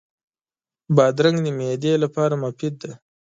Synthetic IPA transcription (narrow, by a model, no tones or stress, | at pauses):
bɑd̪ɾaŋɡd̪əmed̪elapɑɾamafɪd̪̚d̪a